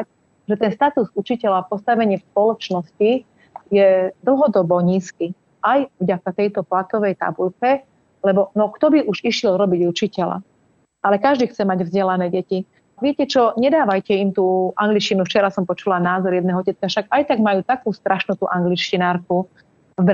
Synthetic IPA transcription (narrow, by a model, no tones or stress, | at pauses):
ʒɛt̪ɛnst̪at̪uzut͡ʃicɛʎapɔst̪aʋɛɲɪɛfspɔlɔt͡ʃnɔsci | jɛd̪l̩ɦɔd̪ɔbɔɲiːski | ʔajvɟakat̪ɛjt̪ɔplat̪ɔʋɛjt̪a̰bulkɛ | lɛbɔnɔkt̪ɔbiʔuʒiʃjɛlɾɔbiɟut͡ʃicɛla̰ | ʔalɛkaʒd̪iːxt͡sɛmaɟvzɟɛlanɛːɟɛci | ʋɪɛcɛt͡ʃɔɲɛd̪aːʋajcɛimt̪uːʔaŋɡlit͡ʃcinuft͡ʃɛɾasɔmpɔt͡ʃulanaːzɔɾjɛd̪nɛːɦɔɔcɛt̪kaʃaɡajt̪aɡmajuːt̪akuːst̪ɾʔaʃnut̪uːʔaŋɡlit͡ʃcinaːɾku | vbɾ